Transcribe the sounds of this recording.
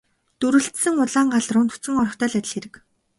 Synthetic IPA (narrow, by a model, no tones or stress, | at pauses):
t̪uɾɘ̆ɬt̪sɘ̆ŋʊɮaːŋɢaɮrʊːnt̪u̥t͡sɘ̆ŋɔɾɞ̆χt̪ʰœːɮæt̪ʲɪ̆ɮxeɾɘ̆k